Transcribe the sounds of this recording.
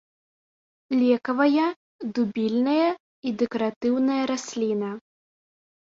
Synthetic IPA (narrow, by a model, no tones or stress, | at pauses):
lʲɛkɐvɐjɐ | d̪ubʲilʲnɐjɐ | id̪ɛkɐɾat̪ɨwnɐjɐɾasʲlʲinɐ